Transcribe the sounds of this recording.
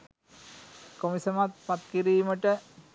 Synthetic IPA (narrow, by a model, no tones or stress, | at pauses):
komisɐmat̪̚pat̪kiɾiːməʈə